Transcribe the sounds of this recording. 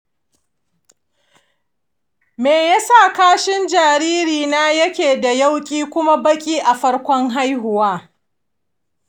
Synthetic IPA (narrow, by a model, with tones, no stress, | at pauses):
meː˨ja˦sa˦˨kaː˦ʃɪ˦nd͡ʒaː˨ɾiː˦ɾiː˨naː˦jɐ˦kʲeː˨da˨ja˦wkʲʼiː˦kʷʊ˦ma˦bɐ˦kʲʼiː˦ʔa˨ɸɐ˦ɽkʷɔ˦ŋɦa˦jɦʊ˨waː˦